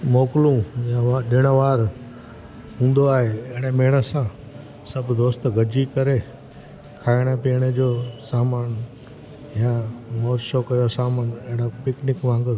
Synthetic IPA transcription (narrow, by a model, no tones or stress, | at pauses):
moːkɪlũjãʋaɗɪɽ̃əʋaːɾ | ɦũːnd̪oaːɦeɐɦɪɽ̃emeːɽəsã | sɐbd̪oːst̪ɡʱɐd͡ʑikɐɾe | kʰaːɪɽ̃əpeɽ̃ed͡ʑoːsaːmaːn | jãmoːɾʃokɐjosaːmanɐɦɪɽ̃opɪknɪkʋãːŋɡɪɾ